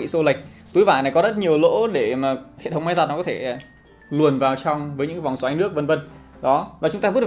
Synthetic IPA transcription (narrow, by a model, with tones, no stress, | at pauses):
ḭ˧˨so˧li˨˩k̟̚ | t̪jvaː˧˩na˨˩jkɔ˨˦zə˦˥t̚ɲi˨˩əwlo̰˧˥ɗe˧˩maː˨˩hḛ˧˨t̪ʰə˨˦wŋ͡mma˨˦jzaː˨˩t̚nɔ˦kɔ˨˦t̪ʰe˧˩˨ | lu˨˩ənvaː˨˩wt͡ɕɔ˧wŋ͡mvəː˨˦jɲɨ̰˧˥kvŋ͡msaː˨˦jnɨ˦˥ək̚və˧nvə˧n | ɗɔ˨˦vaː˨˩t͡ɕʊ˨˦ŋ͡mt̪aː˧vt̚